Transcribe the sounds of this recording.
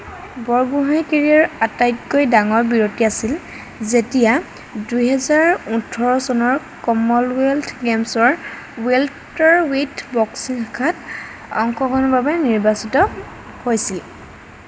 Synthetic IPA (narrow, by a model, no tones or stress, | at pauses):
bɔɹbuɦajkeɹiɔɹatajkːojdaŋɔɹbiɹotiasil | zetija | dujɦɛzaɹutʰɔɹɔsɔnɔɹ | kɔmɔlweltʰɡemsɔɹ | wel | tɔɹwetʰbɔksinakʰat | ɔ̰ŋkɔɡɔnɔbabɛniɹbasitɔ | hojsil